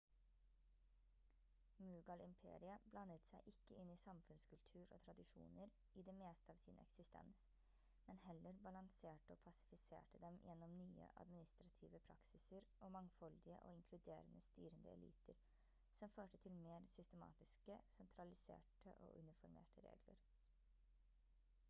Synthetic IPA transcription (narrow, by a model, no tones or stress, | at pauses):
mʉːɡɑlɪmpʰḛːɾɪəblɑnət̪sæɪʔɪkːəɪnːɪsɑmfʉnskʰʉlt̪ʰʉːɾo̰ːt̪ʰɾɑd̪ɪʂṵːnəɾ | ɪd̪ɛːmeːst̪əɑːʋsɪnʔɛ̰ksɪst̪ʰɛ̰ns | mɛnhɛlːəɾbɑlɑŋseːʈəoːpʰɑsɪ̥fɪsḛːʈəd̪ɛmjɛnːɔmnyːə̰ʔɑ̰d̪mɪnɪst̪ɾɑt̪ʰiːʋəpʰɾɑ̰ksɪsəɾʔɔmɑŋfɔld̪ɪəʔɔ̰ɪŋkʰlʉd̪ḛːɾənəst̪yːɾənd̪ə̰ɛ̰lḭːt̪ʰəɾ | sɔmføːʈət̪ʰɪlmeːɾsʏst̪əmɑ̰ːt̪ɪskəsɛnt̪ʰɾɑlɪsḛːʈə̰ʔo̰ːʔʉ̰nɪfɔɾmḛːʈəɾḛːɡlə̰ɾ